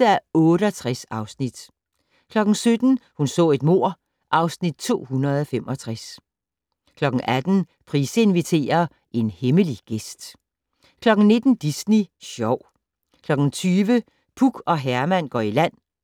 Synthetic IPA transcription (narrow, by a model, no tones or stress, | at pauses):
æɔ̽ːɾəɒt͡sʰʁasɑ̈ʊsnid̥ | kʰlɒ̽ɡ̥n̩sød̥n̩hunsɔ̰̽ːe̝d̥mo̝ɐ̰ | ʔɑ̈ʊsnid̥̚t͡sʰo̝̰ːhunɐð̞̩ˠɒfem̰ɒ̽t͡sʰʁas | kʰlɒ̽ɡ̥ŋ̩ʔæd̥n̩ | pʰʁiːsəe̝nʋit͡sʰe̝̰ːɐ | e̝nheməliɡ̥esd̥ | kʰlɒ̽ɡ̥n̩ne̝d̥n̩d̥isniɕɒʊ̰ | kʰlɒ̽ɡ̥n̩t͡sʰyːʋə | pʰuɡ̥ɒ̽ɦæɐmæn̰ɡ̥ɒ̰ːilæn̰